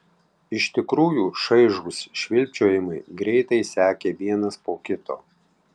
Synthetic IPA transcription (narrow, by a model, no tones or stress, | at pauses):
ɪʃt̪ʲɪkɾuːjuːʃɐɪʒuːsʃʲʋʲɪlʲt͡ʃʲoːjɪmɐɪɡɾʲɛɪt̪ɐɪsʲæːkʲeːʋʲiɛnɐspoːkʲɪt̪o̰ː